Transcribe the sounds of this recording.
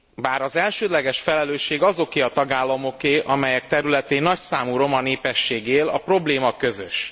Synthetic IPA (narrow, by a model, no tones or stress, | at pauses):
baːɾɒzɛlʃøːd̪lɛɡɛʃfɛlɛløːʃːeːɡɒzo̞keːɒt̪ɒɡaːlːɒmo̞keːʔɒmɛjɛk̚t̪ɛɾylɛt̪eːnːɒcsaːmuɾo̞mɒneːpɛʃːeːɡeːlɒpro̞bleːmɒkø̞zø̰ʃ